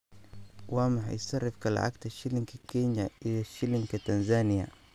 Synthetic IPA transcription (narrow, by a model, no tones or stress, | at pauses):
wamaħa̰jisarːɪfkala̰ʕa̰kt̪aʃiliŋkikɛɲaiðaʃiliŋkit̪anzanija̰